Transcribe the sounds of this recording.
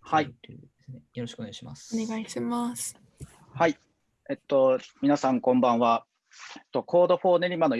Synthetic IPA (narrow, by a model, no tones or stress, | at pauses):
hai | sejo̞ɾoɕi̥kɯoneɡaiɕima̰sneɡaiɕimasɨ̥ | hai | et̪ːo̞mʲinasãŋkõ̞mbãɰ̃βa | et̪ːo̞kʰo̞ːd̪o̞ɸo̞ːne̞ɾʲimano̞